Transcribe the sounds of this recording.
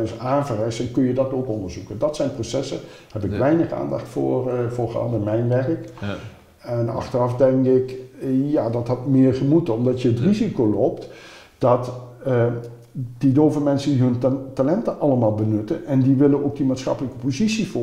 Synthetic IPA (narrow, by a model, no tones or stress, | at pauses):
nsaːnvərɛjsɛnkɵnjədɑtowkɔndəɹzukəndɑtsɛjnprosɛsə | hɛpɪkʋɛjnəχa̰ːndɑ̰χtfʊ̰ːrfʊːχɑ̰dɪnmɛjnʋɛrək | ɛnɑ̰χtərɑfdɛŋkɪkjaːdɑtɦɑtmɪːɹχəmutəɔmdɑtjəətrizikolopt | d̥ɑt | d̥idowvənmɛnsəndiɦɵntalɛntəʔɑlˠəmaːlˠbənɵtənɛndiʋɪlənok̚dimaːtsχɑ̰pələkə̥pozitsifʊ